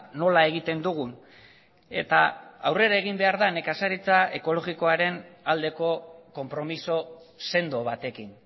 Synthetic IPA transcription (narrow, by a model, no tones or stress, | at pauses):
no̞lae̞ɣ̞it̪e̞nd̪uɣ̞un | e̞̰t̪a̰awre̞ɾaeɣ̞imbe̞aɾðane̞kasaɾit͡sae̞ko̞lo̞ɣiko̞aɾe̞nald̪e̞ko̞ko̞mpɾo̞miso̞ | se̞nd̪o̞βat̪e̞kin